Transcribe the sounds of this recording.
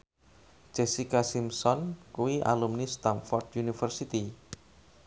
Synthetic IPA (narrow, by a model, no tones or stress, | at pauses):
d͡ʒ̥esikasimsɔnkuwiʔa̰lumnist̪anfɔrd̪junifərsit̪i